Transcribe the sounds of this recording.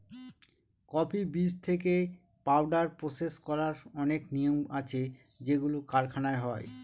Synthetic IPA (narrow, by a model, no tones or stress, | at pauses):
kɔpʰibist̪ʰek̬e | pawɖaɾpɾoseskɔɾaɾɔneknijoma̰t͡ɕʰe | d͡ʑeɡulokaɾkʰanaeɦɔe